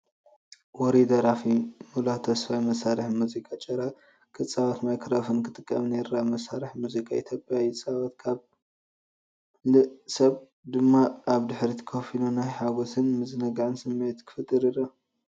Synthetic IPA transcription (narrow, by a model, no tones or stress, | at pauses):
wɔɾid̪ɐɾafimulat̪ʰɐsfajmɐsaɾɨħmuzikʼat͡ʃʼɐɾa | kʰɨt͡sʼːawat̪majkʰɾafɨnkʰɨt̪ʼɨkʼːɐmneɾamɐsaɾɨħmuzikʼaḭt̪ʰjopʼjajɪt͡sʼaβat̪kʰaβ | lɨsɐβ | d̪ɨmːaːβd̪ɨħɾit̪ʰɐ̥kʰofinunajħaɡosʰɨnmɨzɨnɐɡʕɨnsɨmːet̪kʰɨ̥fɨt̪ʼːɨɾiɾa